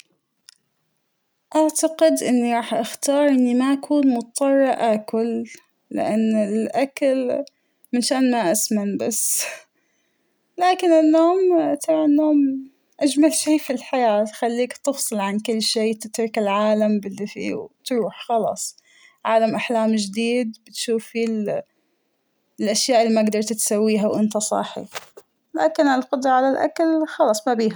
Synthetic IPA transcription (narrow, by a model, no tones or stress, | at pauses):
ʔaʕt̪aqɪd̪ʔɪnːiɾˤɑːħʔaxt̪ɑːɾˤʔɪnːimaʔakʰuːnmʊt̪t̪ˤːɑrˤːɑʔʔakʊlː | ɪ̰ʔanːɪlʔakal | mɪnʃaːnmaʔasmanbas | laːkɪnɪnːoːmt̪ʰɑbʕnːoːm | ʔad͡ʒmalʃiːfilħajaːt̪xalːiːkt̪ɨfsˤɨlʕankʊlːʃiːt̪ɪt̪ɾɪkɪlʕaːlambɪlːifḭːwt̪ɾuːħxɑlɑ̰ːsˤ | ʕaːlamʔaħlaːmd͡ʒɪd̪iːd̪bɪt̪ʃuːfil | lʔaʃjaːʔɪlːimaaɡd̪ɑɾˤt̪t̪sawːiːɦawʔɪnt̪asˤɑ̰ħḭ | la̰ːkɪnɪlqʊd̪ɾˤɑʕalalʔa̰kalxɑlɑːsˤmabiːha